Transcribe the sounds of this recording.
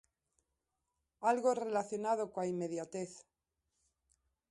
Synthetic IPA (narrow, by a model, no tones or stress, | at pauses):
alɣore̞laθjo̞nað̞okwaime̞ðjat̪eθ